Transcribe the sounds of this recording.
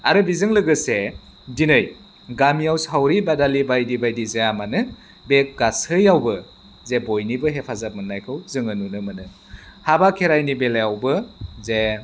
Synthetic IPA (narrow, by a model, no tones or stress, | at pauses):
aɾɯbizɯŋlɯɡɯse | dinɯj | ɡamijawsɦawɾibadalibajdibajdizeamanɯ | bek̚ɡasɯjawbɯ | zebojnibɯɦepʰazap̚mɯnːajkʰɯwzɯŋɯnunɯmɯnɯ | habakʰeɾajnibelajawbɯze